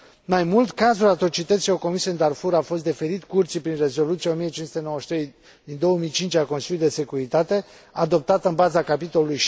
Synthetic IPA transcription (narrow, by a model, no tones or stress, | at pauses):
majmult̪kazulat̪ɾot͡ʃit̪ət̪sijowko̞misiənd̪arfuɾafo̞s̬t̪d̪e̞fe̞ɾit̪kurt̪sipɾinre̞zo̞lut̪sjeo̞mijət͡ʃinsu̥t̪eno̞wəʃt̪ɾej | d̪ind̪o̞wəmijt͡ʃint͡ʃʲako̞nsilʲud̪ese̞kuɾit̪at̪e̞ | ad̪o̞p̚t̪at̪ɨnbazakapit̪o̞luluj